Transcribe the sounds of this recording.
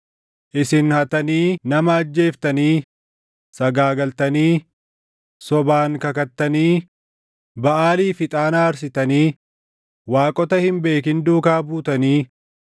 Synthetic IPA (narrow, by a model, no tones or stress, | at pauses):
ʔɪsɪnhɐt̪ɐniːnɐmɐːd͡ʒːe̞ːft̪ɐniː | sɐɡaːɡɐlt̪ɐniː | sɔbaːŋkɐkɐt̪ːɐniː | bɐʔaːliːfɪt̪ʼaːnaːɾs̬ɪt̪ɐniː | waːkʼɔt̪ɐhɪmbe̞ːkɪnd̪uːkaːbuːt̪ɐniː